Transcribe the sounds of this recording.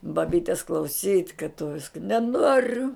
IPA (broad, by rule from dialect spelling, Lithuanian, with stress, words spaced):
bɐˈbʲiːtʲɛs klˠɐʊˈsʲiːtʲ kɐt tʊ ˈʋʲɪskɐ nʲɛˈnoːrʲʊ